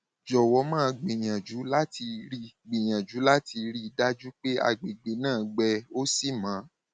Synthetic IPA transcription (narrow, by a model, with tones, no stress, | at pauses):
d͡ʒɔ˨wɔ˧˦mã˦˧ɡ͡bĩ˨j̃ã˨d͡ʒu˨˦la˦ti˧ɾi˦˧ɡ͡bĩ˨j̃ã˨d͡ʒu˨˦la˦ti˧ɾi˦˧da˦d͡ʒu˦k͡pe˦a̰˧ɡ͡be˨ɡ͡be˨˦nãː˦˨ɡ͡bɛ˧o˦si˦˨mã˨˦